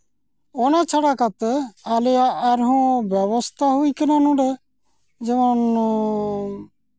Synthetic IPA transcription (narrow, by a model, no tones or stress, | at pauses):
ɔnat͡ʃʰɔɽakat̪ɛalɛjaʔːɾɦɔ̃bɛβɔst̪ʰaɦujkɛnanũɖe | d͡ʒɛmɔn